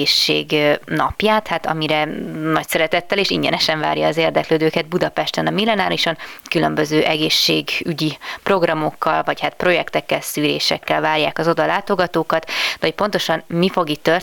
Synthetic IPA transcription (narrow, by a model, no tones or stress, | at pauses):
eːʃːḛːɡnɒ̰pjaːt̪hat̪ɒ̰miɾɛnɒcsɛɾɛt̪ɛt̪ːɛleːʃiɲɟɛ̰nɛʃɛɱva̰ːɾjɒːzeːrd̪ɛkløːd̪øːkɛd̪̚bud̪ɒpɛʃt̪ɛnɒmilːɛnaːɾiʃo̞nkylø̞mbøzøːʔɛɡeːʃːeːɡyɟipro̞ɡrɒmo̞kːɒlvɒchat̪pro̞jɛkt̪ɛkːɛlsyːɾḛːʃɛkːɛlvaːrjaːkɒzo̞d̪ɒlaːt̪o̞ɡɒt̪oːkɒt̪d̪ɛɦoc̚po̞nt̪o̞ʃɒnmifo̞ɡit̪ːør